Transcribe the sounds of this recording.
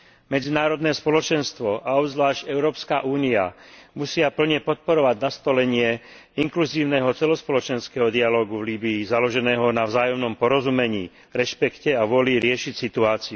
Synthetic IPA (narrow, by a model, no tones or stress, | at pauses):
mɛd͡zinaːɾɔd̪nɛːspɔlɔt͡ʃɛnst̪ʋɔʔaɔbzʋlaːʒɟɛʊɾɔːpska̰ʔuːnia̰musɪapl̩ɲɛpɔt̪̚pɔɾɔʋaɟnast̪ɔlɛɲɪɛ | iŋkluziːʊnɛːɦɔt͡sɛlɔspɔlɔt͡ʃɛnskɛːɦɔd̪ialɔːɡuvliːbiːzalɔʒɛnɛːɦɔnavzaːjɔmnɔmpɔɾɔzumɛɲiː | ɾɛʃpɛkcɛaʋʊɔliɾɪɛʃicsit̪uaːt͡siu